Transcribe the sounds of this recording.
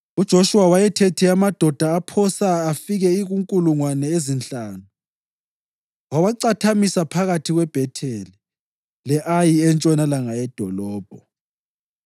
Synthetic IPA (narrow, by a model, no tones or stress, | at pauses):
ud̥ʒ̥ʱoʃuwawajɛtʰetʰiamad̥ʱɔd̥ʱaːpʰɔsaːfiɣɛiɣuŋkʼuluŋwanɛezint͡ɬʼaːnu | wawaǀatʰamisapʰaɣatʰiɣwɛb̥ʱɛtʰeli | lɛʔajiɛnt͡ʃʼɔnalaŋajɛd̥ʱɔlɔːb̥ʱɔ